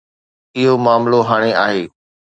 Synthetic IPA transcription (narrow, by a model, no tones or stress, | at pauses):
ɪɦomaːmloɦaːɽ̃eaːɦeː